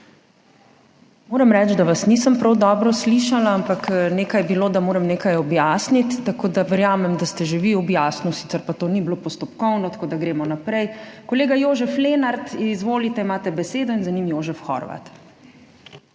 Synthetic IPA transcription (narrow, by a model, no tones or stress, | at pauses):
moːɾɛmɾɛt͡ʃd̪aʋasnisəmpɾawd̪ɔːbɾɔsliːʃalaampakneːkajbiloːd̪amoːɾɛmneːkajɔbjaːsnit̪ːakoːd̪aʋɛɾjaːmɛmd̪ast̪ɛʒeʋiɔbjaːsnusi̥ːt̪sɛɾpat̪oːniblopɔst̪ɔpkɔwnɔt̪ḁkoːd̪aɡɾeːmɔnapɾɛjkɔleːɡajoːʒɛfleːnaɾt̪izʋoːlit̪ɛimaːt̪ɛbɛseːd̪ɔinzanimjoːʒɛfxɔ̰ɾʋa̰t̪